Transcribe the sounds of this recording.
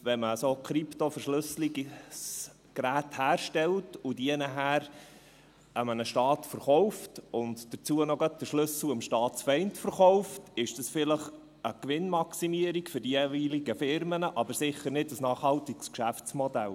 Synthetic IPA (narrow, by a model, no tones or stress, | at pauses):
ʋɛməsokχɾiptofəɾʃlɵsliɡs | kɾæːthæːɾʃtɛltʊdiɛnəɦæːɾ | ʔəmənəʃtɑːtfəɾχɔʊftʊndd̥ət͡suənoɡœt̚d̥əʃlɵsl̩əmʃtɑːtt͡sfɛɪntfəɾχɔʊftɪʃd̥ɑsfɪləχ | əkʋɪnmɑksimiəɾikfʏɾdieviːliɡəfɪɾmənəʔɑbəɾsɪχəɾnɪdəsnɑːχhɑltikskʃæft͡smɔdæ̰l